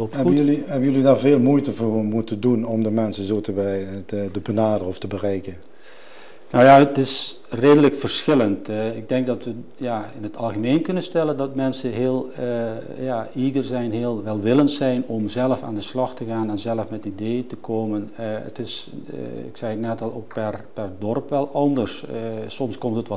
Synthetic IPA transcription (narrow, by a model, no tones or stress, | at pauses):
loptliɦɛbənjølidaɹveːlˠmujtəvoːmutədunɔmdəmɛnsənzoːtəbɛətəbənaːdərəɔftəbərɛjkə | nowjaətɪs | reːdələkfərsxɪləntɪɡ̚dɛŋk̚dɔtʋə | jaɪnətʰɑlˠɣəmeːnkønənstɛlˠəndɔtmɛnsəɦeːəlˠ | jaiːdərzɛjnɦeːəlˠʋɛlˠʋɪləntsɛjnɔmzɛlˠəfa̰ːndəslɑxtəɣaːnɛnzɛləfmɛtideːətəkʰoːmənə̰tɪs | ɪ̰ksɛjətnɛtɔlˠoːk̚pɛrpɛrdɔrpʋɛlˠɑndərssɔmskɔmtətʋ